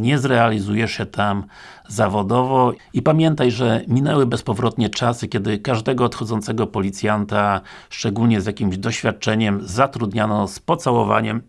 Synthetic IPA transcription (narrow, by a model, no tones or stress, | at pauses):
ɲɛzɾɛalʲizujɛʂɛt̪am | zavɔd̪ɔvɔipamʲjɛnt̪ajʐɛmʲinɛwɘbɛspɔvɾɔt̪ɲɛt͡ʂasɘkʲɛd̪ɘkaʐd̪ɛɡɔːt̪xɔd̪zɔnt̪sɛɡɔpɔlʲit̪sʲjant̪a | ʂt͡ʂɛɡulɲɛzʲjakʲimʑd̪ɔɕfʲjat̪̚t͡ʂɛɲɛmzat̪ɾud̪ɲanɔspɔt̪sawɔva̰ɲɛm